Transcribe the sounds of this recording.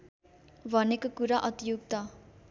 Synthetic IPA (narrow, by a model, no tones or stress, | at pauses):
bʱʌnekokuɾaʔʌt̪ijukt̪ʌ